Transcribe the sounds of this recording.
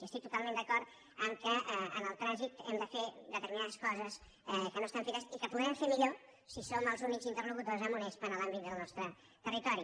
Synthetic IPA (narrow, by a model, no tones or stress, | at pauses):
iəst̪ik̚t̪ut̪alˠmend̪əkɔɾt̪ | əŋkəənəlˠt̪ɾazit̪ɛ̰md̪əfed̪ət̪əɾminaðəskɔzəs | ɛkənoəst̪amfikasikəpuðɾɛmfemiʎo | sisoməlˠzunikzint̪ərnukut̪ozəmunɛspənəlambit̪̚d̪əlˠnɔst̪ɾə | t̪ərit̪ɔɾi